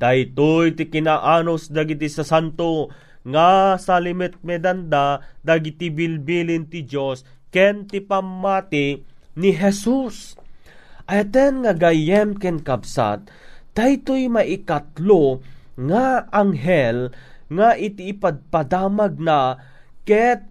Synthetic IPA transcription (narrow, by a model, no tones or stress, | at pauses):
d̪̥ajt̪ojt̪ɪkɪnaʔaːnosd̪aɡɪt̪isɐsant̪o | ŋasalɪmɛt̪̚mɛd̪and̪ad̪aɡɪt̪ibɪlbiːlɪnt̪ɪd͡ʒos | kɛnt̪ɪpamːaːt̪ɪniɦɛsus | ʔɐat̪ɛnŋaɡajɛmkɛnkabsa̰t̪̚ː | ajt̪ojmaʔɪkat̪loŋaaŋɦɛlŋaʔɪt̪iːpaɡ̚pad̪aːmaɡ̚na | kɛt̪̚